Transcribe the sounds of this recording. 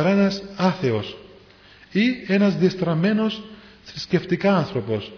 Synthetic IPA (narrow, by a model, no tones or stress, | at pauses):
ɐɾenɐsɐθe̞o̞s | ie̞nɐzðiɐst̪ɾɐme̞no̞s | θɾisce̞ft̪ikɐɐnθɾo̞po̞s